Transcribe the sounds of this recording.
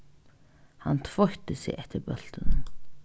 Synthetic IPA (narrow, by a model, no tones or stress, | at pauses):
hant̪ʰvɔht̪əsɪ̰ɣɛht̪əɾbœl̥t̪ən